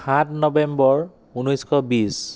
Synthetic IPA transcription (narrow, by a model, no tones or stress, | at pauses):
ãtʰnɔbɛmbɔɹ | unɔjskʰɔbis